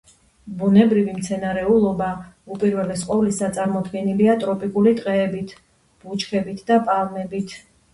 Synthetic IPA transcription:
bunɛbɾivimt̪sʰɛnaɾɛulˠɔbaupʼiɾvɛlɛsqʼɔvlisat̪sʼaɾmɔd̪ɡɛniliat̪ʼɾɔpʼikʼulit̪ʼqʼɛːbit̪ʰ | b̥ut͡ʃʰʼkʰɛbit̪ʰd̪apʼalˠmɛbit̪ʰ

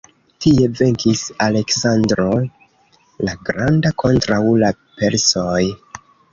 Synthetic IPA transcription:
tie̞ve̞ŋkisale̞ksandɾo̞ | laɡɾandakʰo̞ntɾawla | pe̞ɾsoj

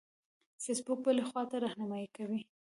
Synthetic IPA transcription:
sesbʊk̚bəlexwɑt̪aɾɑhnamɑikawi

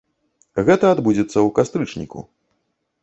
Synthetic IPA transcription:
ɣɛt̪ɐad̪bud͡zʲɛt̪sːɐwkast̪ɾɨt͡ʂnʲḭkṵ

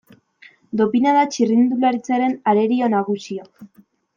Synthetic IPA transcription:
d̪o̞pinaðat͡ʃirind̪ulaɾit͡saɾe̞naɾe̞ɾio̞naɣ̞usio

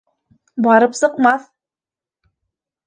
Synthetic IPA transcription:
bɑɾɤpsɤ̆qmɑθ

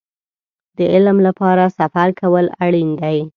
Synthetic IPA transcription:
d̪əɪlmlapɑɾasafaɾkʰawəlaɽind̪aj

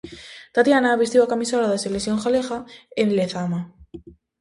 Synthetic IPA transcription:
t̪at̪janaβist̪joakamisaɾaðeselesjoŋxalexaenleθama

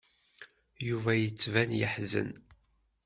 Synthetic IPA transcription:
juvæjət͡sːvænjəħzə̰n

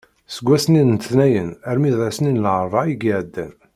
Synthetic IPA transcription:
səɡʷːæsninnt̪θnæjənæɾmiðæsəninlʕəɾˤvˤɑiɡiʕəd̪ːæ̰n

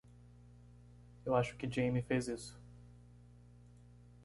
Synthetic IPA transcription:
ewaʃʊ̥kɪd͡ʒẽjmifejzisʊ̥

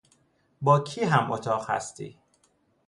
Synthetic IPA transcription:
bɒːkʰiːɦæmʔot̪ʰɒːɢhæ̰st̪ḭː

